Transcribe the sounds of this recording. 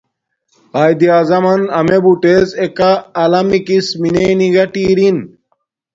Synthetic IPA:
aːjd̪iaːzɐmɐnɐmebuʈezekaːlamikismineniɡɐʈiːɾin

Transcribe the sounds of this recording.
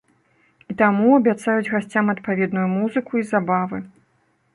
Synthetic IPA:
it̪amuɐbʲat̪sajud͡zʲɣasʲt͡sʲamɐt̪pavʲɛd̪nujumuzɨkuizabavɨ

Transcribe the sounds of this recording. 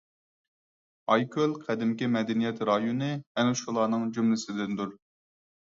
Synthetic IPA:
ɑjkʰʲølˠqʰæd̪ɪmkʲimɛd̪ɛnijɛt̪ɾɑjonɨɛnuʃulˠɑːnɨŋd͡ʒumlɪsɪd̪ɪnd̪uɾ

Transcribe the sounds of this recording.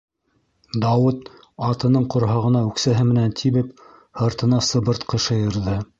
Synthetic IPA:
d̪ɑwɤt̪ | ɑt̪ɤ̆nɤɴqŏɾɦɑʁɤ̆nɑʉksæɦɘmɘ̆nænt̪ʰiβɘp̚ | hɤ̆ɾt̪ɤ̆nɑsɤ̆βɤ̆ɾt̪qɤ̆ʃɤjɤ̆ɾðɤ

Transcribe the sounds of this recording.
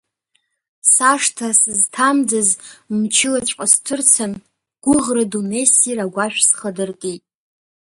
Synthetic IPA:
saʂtʰasɨztʰamd͡zazmt͡ʃʰɪlat͡ʃʷʼqʼastʰɨrt͡sʰan | ɡ̥ʷʊʁradunesiraɡʷaʃᶣsχədɨrtʼitʼ

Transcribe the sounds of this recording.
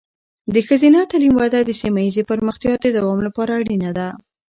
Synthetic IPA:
d̪əxəzinat̪alimwad̪ad̪əsimajizepəɾməxt̪jɑd̪əd̪awɑmlapɑɾaːɽinad̪a

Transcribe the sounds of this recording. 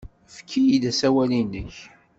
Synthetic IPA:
fkʰːijid̪æsæwælinːəç

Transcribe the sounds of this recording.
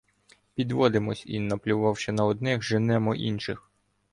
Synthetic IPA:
pʲid̪ʋɔd̪ɪmɔsʲḭnɐplʲʊʋɑwʃɛnɐɔd̪̚nɪxʒɪnɛmɔʔḭnʃɪx

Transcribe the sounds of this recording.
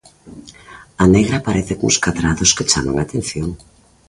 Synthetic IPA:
aneɣ̞ɾapaɾeθɪko̰ŋskaðɾaðʊsket͡ʃamaŋat̪en̟θjoŋ

